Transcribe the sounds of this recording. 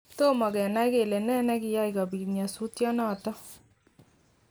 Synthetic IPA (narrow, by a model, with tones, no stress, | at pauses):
to˦mɔ˨kɛ˨na˦jke˨le˨nɛ˦nɛ˧kɪ˧ja˦ika˨bi˨ɲa˨su˦tjɔ˦nɔ˦˨tɔ˦